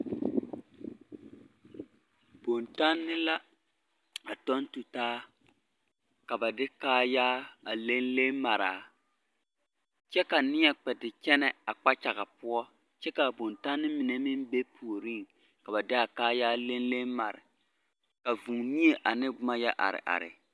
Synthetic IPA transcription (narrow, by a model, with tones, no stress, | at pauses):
bo˨nta˦nːɪ˦la˦ | a˨tɔ˦ntu˨taː˦ | ka˨ba˨dɪ˦kaː˦jaː˦a˨le˦nle˦ma˨ɾaː˨ | t͡ʃɛ˦ka˨nɪ˦ɲɛ˨k͡pɛ˨tɪ˨t͡ʃɛ˦nɛ˦a˨k͡pa˦t͡ʃa˨ɣa˨pʊ˦ɔ˦ | t͡ʃɛ˦ka˨bo˨nta˦nːɪ˦mi˨nɛ˨mɪ˦n˦be˦pʰu˨o˨ɾi˦˨ŋ | ka˨ba˨dɪ˦a˨kaː˦jaː˦le˦nle˦ma˨ɾɪ̰˨ | ka˨vu˨ŋmi˦e˨ʔa˨nɪ˦ʊ˦ma˦jɛ˦ʔa̰˨ɾɪ̰˨ʔa̰˨ɾɪ̰˨